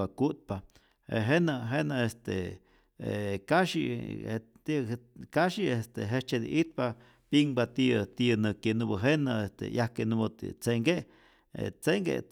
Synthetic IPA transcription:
akut̪̚pa | ḛɦenaɦenaest̪ḛ | kaʃḭ | t̪ikaʃiest̪eɦet͡ʃed̪ḭʔit̪̚pa | piŋbat̪iət̪iənɨkenubəɦenaest̪ḛjahkenubot̪ḭt͡seŋɡeʔ | ḛt͡seŋɡḛ

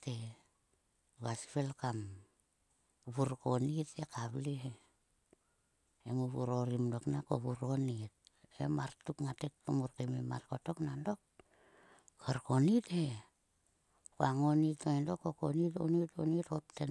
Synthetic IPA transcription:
te | βasi̥pelkam | βuɾkonitekaβliɦe | emuβṵɾoɾimdoknako̰βuɾonit̚ḛmaɾtukŋatekːomuɾkemema̰ɾkoto̞knando̞k̚ | kaɾkonithe | koaŋonitoindokːokonito̰nito̰nitopten

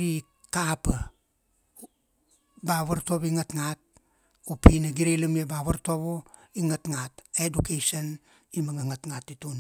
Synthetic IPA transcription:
ɾi | kapa | baβaɾto̞biŋatŋat̚ | upinaɡiɾelamiebaβaɾto̞bo | iŋatŋatedukeson | imaŋaŋatŋatːitun

